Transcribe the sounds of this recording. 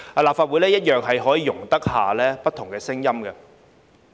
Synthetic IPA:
a˧laː˨pfaː˧t̚wu˨˥jlɛː˥jɐ˥t̚jœː˨ŋɦɐ˨jɦɔː˨˥jiː˨˧jʊ˨˩ŋt̪ɐ˥k̚haː˨lɛː˥pɐ˥t̪ʰʊ˨˩ŋkɛː˧sɪ˥ŋjɐ˥mɡɐ˧

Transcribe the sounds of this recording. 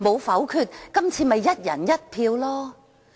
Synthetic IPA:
mo˨˧wfɐ˨˥wkʰyː˧t̚kɐ˥mt͡sʰiː˧mɐ˨jːɐ˥t̚jɐ̰˨˩njɐ˥t̚pʰiː˧wlɔː˥

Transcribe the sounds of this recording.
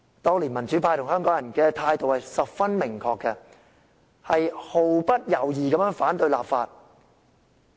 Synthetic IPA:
t̪ɔː˥ŋliː˨˩nmɐ˨˩nt͡ʃyː˨˥pʰaː˧jt̪ʊ˨˩ŋhɦœː˥ŋkɔː˨˥ŋjɐ˨˩nkɛː˧t̪ʰaː˧jt̪o˨whɐ˨jsɐ˨p̚fɐ˥nmɪ˨˩ŋkʰɔː˧kːɛ˧ | hɐ˨jho˨wpɐ˥t̚jɐ˨˩wjiː˨kɐ˨˧mjœː˨˥ŋfaː˨˥nt̪ɵ˧ɥla̰ː˨pfaː˧t̚

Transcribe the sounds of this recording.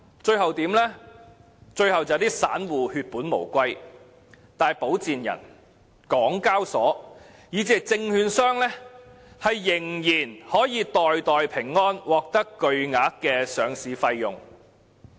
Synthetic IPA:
t͡ʃɵ˧ɥhɐ˨wt̪iː˨˧˥mlɛː˥ | t͡ʃɵ˧ɥhɐ˨wt͡sɐ˨˧t̪iː˥sa̰ː˨˥nwuː˨˩hyː˧t̚puː˨˥nmo̰˨˩wkʷɐ˥j | t̪aː˨jpo˨˥wt͡siː˨njɐ̰˨˩n | kɔː˨˥ŋkaː˥wsɔː˨˥ | jiː˨˧˥t͡siː˨t͡sɪ˧ŋhyː˧nsœː˥ŋlɛ˥ | hɐ˨jːɪ˨˩ŋjiː˨˩nhɔː˨˥jiː˨˧t̪ɔː˨jt̪ɔː˨jpʰɪ˨˩ŋːɔː˥nwɔː˨˩k̚t̪ɐ˥kːɵ˧ɥŋaː˨˥t̚kɛː˧sœː˨˧ŋsiː˨fɐ˧jjʊ̰˨ŋ

